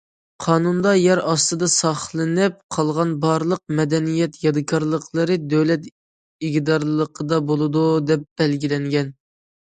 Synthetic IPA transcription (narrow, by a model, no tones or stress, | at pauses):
qʰɑːnund̪ɑjɛɾɑst̪ɨd̪ɑsɑχlˠɨnɨp̚qʰɑlˠʁɑnbɑɾlˠəq̚mɛd̪ɛnijɛt̪jɑd̪ɨkʰɑɾlˠəqʰlˠəɾɨd̪øwlɛt̪ | iɡʲd̪ɑɾlˠəqʰəd̪ɑbolˠɨd̪ud̪ɛp̚b̥ɛlɡʲilɛŋɡʲɛn